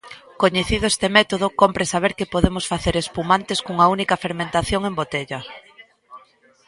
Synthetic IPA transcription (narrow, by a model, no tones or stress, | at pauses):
koɲeθiðoest̪emɛt̪oð̞okompɾesaβ̞eɾkepoðemosfaθeɾespumant̪eskuŋɐunikɐfeɾmẽnt̪aθjoŋembot̪eʎɐ